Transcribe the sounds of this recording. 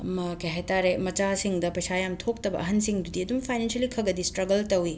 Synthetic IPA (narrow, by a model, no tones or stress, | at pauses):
ɐmɐkeɦajtaɾemɐt͡ʃasiŋdɐpɐjsajamtʰok̚tɐbɐ̰ʔɐɦɐnsiŋdudiɐdumpʰajnensɐlikʰɐɡɐdistɾɐɡɐltɐwi